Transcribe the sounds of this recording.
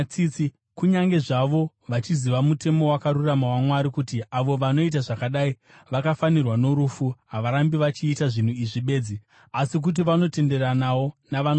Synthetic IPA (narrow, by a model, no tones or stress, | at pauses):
it͡si | kuɲaŋɡe̞ʐaʋo̞ | ʋat͡ʃiziʋamute̞mo̞wakaɾuramawamwaɾikutiaʋo̞ʋano̞it̬aʐakaɗai | ʋakafanirwano̞ɾufuɦaʋaɾambiʋat͡ʃiːtaʐin̤uiʐiɓe̞ːd͡zi | asik̬ut̬iʋano̞te̞nde̞ɾanawo̞naʋan